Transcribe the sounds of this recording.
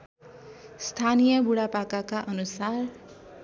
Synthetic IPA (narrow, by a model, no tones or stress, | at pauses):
st̪ʰanijʌbuɽapakakaʔʌnusar